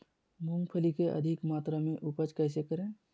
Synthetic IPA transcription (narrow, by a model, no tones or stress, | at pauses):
mʊ̃ŋɡpʰəlikeʔə̰d̪ʱɪkmaːt̪ɾamẽʔupət͡ʃkɛːs̬ekəɾẽː